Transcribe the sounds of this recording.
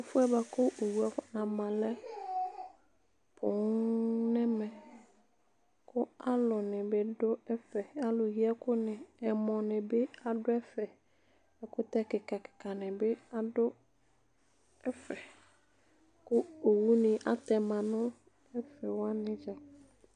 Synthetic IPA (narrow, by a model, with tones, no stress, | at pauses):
ʊ˨fʊ˦ɛ˦ba˨kʊ˦ʔo˨wu˦a˨˦a˨mã˨lɛ˦ | pʰʊ˨ŋnɛ˦mɛ̃˨ | kʊ˦a˦lʊ˨nɪ̃˨bɪ˦dʊ˦ɛ˦fɛ˨a˨lʊ˨ji˦ɛ˦kʊ˦nɪ̃˨ɛ˨mɔ̃˨nɪ̃˨bɪ˦a˨dʊ˦ɛ˦fɛ˨ | ɛ˨kʊ˦t̪ɛ˦kɪ˨ka˨kɪ̥˨ka˨nɪ̃˨bɪ˦a˨dʊ˦ | ɛ˦fɛ˨ | kʊ˦o˨wu˦nɪ̃˨ʔa˨tɛ˨mã˨nʊ̃˦ | ɛ˦fɛ˨wa˦nɪ̃˦d͡ʒa˨